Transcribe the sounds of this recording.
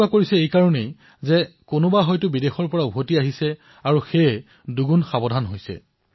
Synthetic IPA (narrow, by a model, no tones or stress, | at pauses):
akoɹisɛejkaɹɔnej | zɛkonʊbaɦɔjtʊbidexɔɹpɔɹaubʱotiaɦisɛ | aɹuxejɛ | duɡunxabɔdʱanɦojsɛ̰